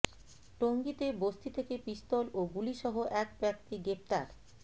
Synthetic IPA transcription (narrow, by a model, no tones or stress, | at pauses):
ʈoŋɡit̪ebost̪it̪ʰekepist̪oloɡuliʃɔɦoʔɛk̚bɛk̚t̪iɡɾep̚t̪aɾ